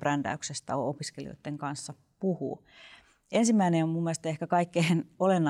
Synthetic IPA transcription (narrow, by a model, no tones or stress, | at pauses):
rænd̥æ̰yksest̪æoopiskelḭo̰it̪ːeŋkɑnsːɑ | puhṵː | ensimːæineommumːiæest̪ɑehkækɑikːeːnolenːɑ